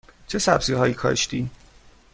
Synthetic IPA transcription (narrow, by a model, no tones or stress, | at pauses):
t͡ʃʰesæbziːɦɒːjiːkʰɒ̰ːʃt̪iː